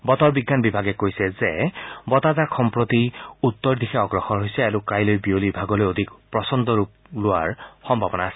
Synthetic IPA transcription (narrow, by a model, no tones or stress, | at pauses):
bɔt̪ɔɹbiɡːanbibʱaɡɛkojsɛzɛbɔt̪azaɹxɔmpɹot̪iut̪ːɔɹd̪ixʰɛɔɡɹɔxɔɹɦojsɛaɹukajlojbiolibʱaɡɔlojod̪ʱikpɹɔsɔnd̪ɔɹup̚ | lʊwa̰ɹxɔmbʱabɔnaːsɛ